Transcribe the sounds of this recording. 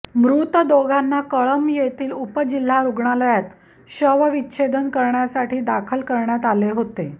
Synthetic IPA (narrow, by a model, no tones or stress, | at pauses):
mɾut̪əd̪oɡʱanːakəɭəmjet̪iːlupəd͡ʑil̤ːaɾuɡɳaləjat̪ | ɕəʋəʋitːɕʰed̪ənkəɾɳjasaʈʰiːd̪akʰəlkəɾɳjat̪aleɦot̪e